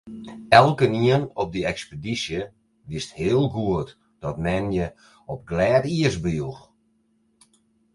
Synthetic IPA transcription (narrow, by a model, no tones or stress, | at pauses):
ɛlˠkəniənɔp̚dəɛkspedisjə | ʋɪsthɪəlˠɡuət | d̥ɔtmɛnjə | ɔp̚ɡlɛːtiəsbjux